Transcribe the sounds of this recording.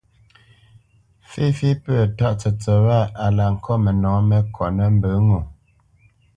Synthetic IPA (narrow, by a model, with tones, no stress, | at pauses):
fi˦fi˦pə˦˨ta˦ʔt͡sə˨t͡sə˨wa˦˨a˨la˨ŋ̩˨kʰɔ˦mə˨nɔ̃ː˨˦mə˦kʰɔ˨nə˦m̩˦bə˨˦ŋu˨